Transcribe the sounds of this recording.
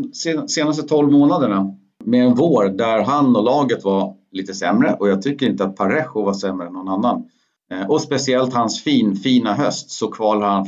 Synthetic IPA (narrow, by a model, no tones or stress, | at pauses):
sseːnast̪ət̪ʰɔlvmoːnad̪əɳa | mɛɛnvoːɾd̪æɾɦanːɔlɑːɡət̪valiːt̪əsɛmɾəʔɔjɑːɡ̚t̪ʰʏkːəɾɪnt̪əat̪̚pʰaɾɛɧʊvasɛmːɾəɛnːɔnanːan | ɔspɛsɪɛlt̪hansfiːnfiːnaɦœst̪sɔkʰvɑːlhaɾhan